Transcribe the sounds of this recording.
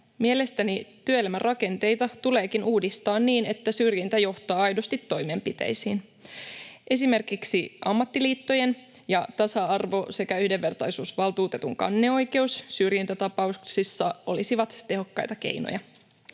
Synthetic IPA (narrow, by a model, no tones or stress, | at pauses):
mie̞le̞st̪ænit̪yøelæmærʔɑke̞nt̪e̞jt̪ɑt̪ule̞ːkinuːdist̪ɑːnniːne̞t̪ːæsyrjint̪æjo̞ht̪ɑːɑjdo̞st̪it̪ːo̞jme̞mpit̪ḛjsiːn | ʔe̞sime̞rkiksiʔɑmːɑt̪ːiliːt̪ːo̞je̞n | jɑt̪ɑsɑɑrʋo̞se̞kæyhde̞ʋːe̞rt̪ɑjsuːsʋɑlˠt̪uːt̪e̞t̪uŋkɑ̰nːeo̞jke̞usːyrjint̪æt̪ɑpɑuksisːɑo̞lisiʋɑt̪ːe̞ɦo̞kːɑjt̪ɑke̞̰jno̰jɑ